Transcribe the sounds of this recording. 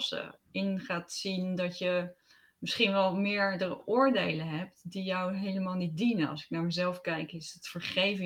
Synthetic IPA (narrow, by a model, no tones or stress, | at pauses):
sə̰ɪnχaːtsindɑtjə | mɪsχinʋɛlˠmɪːɹdərʊːɹdejləɦɛp̚tdijɔwɦejləmaːlˠnit̚dinənɑ̰lˠsɪ̥knaːɹməzɛlˠfkɛjkɪstfəɹχejv